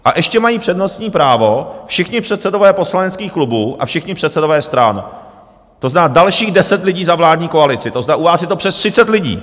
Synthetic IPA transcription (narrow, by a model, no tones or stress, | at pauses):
ʔaʔɛʃcɛmajiːpr̥ɛdnost̪ɲiːpɾaːvo̞fʃɪxɲɪpr̝̥ɛt̪sɛdo̞vɛːpo̞slanɛt͡skiːxklubuːʔa̰fʃɪxɲɪpr̥ɛt̪t͡sɛdovɛːst̪ɾan | t̪o̞znaːdalʃiːɣdɛsɛt̪lɪɟiːzavlaːdɲiːkoalɪt͡sɪt̪oznaʔuvaːsjɛt̪opr̥ɛst̪r̥ɪt͡sɛt̪lɪɟḭː